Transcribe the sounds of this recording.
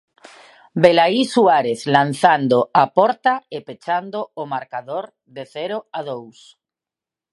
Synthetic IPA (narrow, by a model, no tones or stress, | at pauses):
belaisuaɾeθlanθand̪oapɔɾt̪aepet͡ʃand̪oːmaɾkaðoɾ | ðeθɛɾoaðows